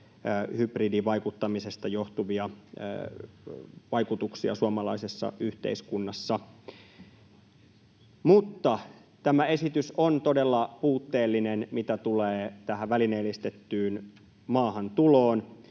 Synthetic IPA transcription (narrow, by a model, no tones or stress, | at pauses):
hybridiʋɑjkut̪ːɑmisest̪ɑjoht̪uʋiɑ̰ | ʋɑjkut̪uksiɑ̰suɑmɑlɑisesːɑ̰ʔyht̪ḛiskunːɑsːɑ | mut̪ːɑ | t̪æmæe̞sit̪ysont̪odelːɑpuːt̪ːeːlːinenmit̪æt̪uleːt̪æɦæʋʋælineːlist̪et̪ːyːn | mɑːɦɑnt̪uloːn